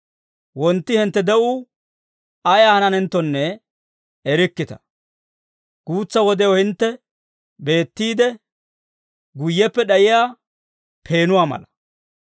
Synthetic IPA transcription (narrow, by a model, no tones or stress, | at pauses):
wɔnt̪ːɪhɪnt̪ːɛd̪ɛʔʊ | ɐjahɐnɐnɛnt̪ːɔnːɛː | ɾɪkːɪt̪ɐ̥̰ | ɡ̥uːt͡sːɐwɔd̪ɛjɔhɪnt̪ːɛ | be̞ːt̪ːiːd̪ɛ | ɡʊjːɛpːɛɗɐjɪjaː | pʰe̞ːnʊwaːmɐ̰lɐ